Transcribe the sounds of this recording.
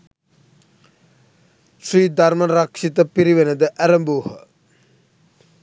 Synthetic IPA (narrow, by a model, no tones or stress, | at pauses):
siːd̪aɾmɐnɾakʂit̪əpiɾiʋenəd̪əʔæɾɐmbuːɦə